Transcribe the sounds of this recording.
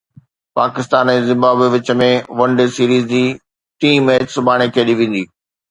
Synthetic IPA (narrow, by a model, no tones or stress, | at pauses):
paːkɪst̪aːnɛzɪ̃mbaːbʋɪt͡ɕə̆mẽʋɐ̃ɳɖesiːɾiːzd͡ʑiː | ʈiːmet͡ɕsʊbʱaːɽ̃ek̪ʰieɗiʋẽːn̆d̪iː